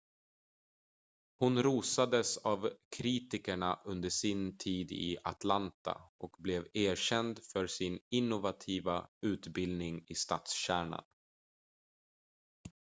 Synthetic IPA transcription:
hʊnɾuːsad̪əsavkʰɾiːt̪ɪkəɳaʔɵnd̪əʂɪnt̪ʰiːd̪ɪ̰ʔat̪lant̪a̰ʔɔkblɛveːɕɛnd̪fœɾsɪnɪnːʊvat̪ʰiːvaʉ̟ːt̪bɪld̪nɪŋɪst̪ɑːt̪sɕæːɳa̰n

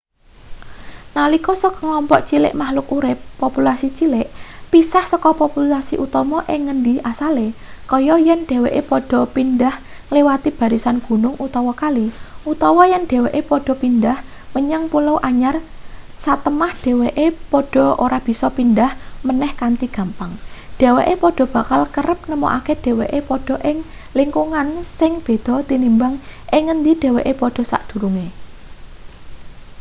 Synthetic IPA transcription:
nalikɔsɔkɔŋlɔmpɔʔt͡ʃilɪ̰ʔmahlʊkuɾɪpːopulasit͡ʃilɪʔpisahsɔkɔpopulasiʔut̪ɔmɔʔɪŋənd̪iasale | kɔjɔjɛnɖ̥e̤weʔepɔɖ̥ɔ̤pindah | ŋlewat̪ib̥ä̤ɾisanɡ̥ṳnʊŋut̪ɔwɔkaliʔut̪ɔwɔjɛnɖ̪̥e̤weʔepɔɖ̥ɔ̤pindah | məɲaŋpulowʔaɲar | sat̪əmahɖ̥e̤weʔepɔɖ̥ɔ̤oɾab̥i̤sɔpindahmənɛhkant̪iɡ̥ä̤mpaŋd̥e̤weʔepɔɖ̥ɔ̤b̥a̤kalkəɾəp̚nəmɔ̰ʔaked̥e̤weʔepɔɖ̥ɔ̤ʔɪŋ | liŋkuŋansɪŋb̥e̤d̪̥ɔ̤t̪inimbaŋʔɪŋːənd̪id̥e̤weʔepɔɖ̥ɔ̤sa̰ʔd̪̥ṳɾuŋe

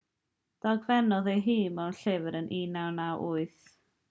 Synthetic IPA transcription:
d̥ɔɡvɛnɔðejɦiːmawnɬɪvəɾənʔiːnawnawʔʊɨθ

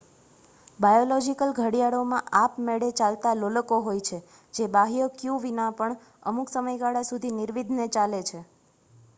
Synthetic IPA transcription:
bajolɔd͡ʒikəlɡʱəɽijaɽomãʔapmeɽet͡ʃalt̪aloləkoɦojt͡ʃʰe | d͡ʒebaɦijokjuʋinãpəɳ | ə̰muksəməjɡaɽasud̪ʱiniɾʋid̪ʱnet͡ʃalet͡ʃʰe

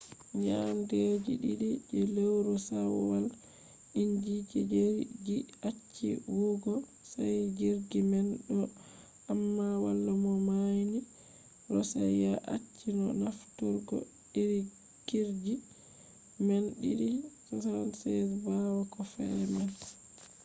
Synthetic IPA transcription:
ɲamded͡ʒiɗiɗid͡ʒɛlewɾɔsawɔwal | iɲd͡ʒid͡ʒɛd͡ʒeɾd͡ʒiat͡ʃːḭwuɡɔ | sajd͡ʒiɾɡimɛnɗɔ | amːawalːamɔmajni | ɾɔsajjaʔat͡ʃːinɔ̰naftɔɾɡɔ̰ | ɗiɾi | ɡ̥iɾd͡ʒi | mɛnɗiɗikɔsansɛsbawakɔfɛman

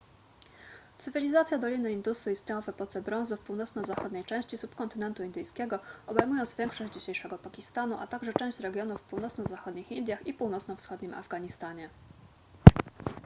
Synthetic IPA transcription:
t̪sɘvʲilʲizat̪sʲjad̪ɔlʲinɘind̪usuist̪ɲejɔ̃vɛpɔt̪sɛbɾɔ̃w̃zufpuwnɔt̪snɔzaxɔd̪ɲɛjt͡ʂɛ̃w̃ɕt͡ɕisupkɔnt̪ɘnɛnt̪uind̪ɘjskʲɛɡɔɔbɛjmujɔ̃nt̪zvʲjɛŋkʂɔɕd͡ʑd͡ʑiɕejʂɛɡɔpakʲist̪anuʔat̪aɡʐɛt͡ʂɛ̃w̃ɕt͡ɕɾɛɡʲjɔnufpuwnɔt̪snɔzaxɔd̪ɲixind̪jaxipuwnɔt̪snɔfsxɔd̪̚ɲimʔa̰vɡaɲist̪aɲɛ

